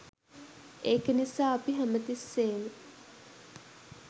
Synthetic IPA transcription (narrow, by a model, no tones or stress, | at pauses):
eːkənisaːapiɦæmət̪isːeːnə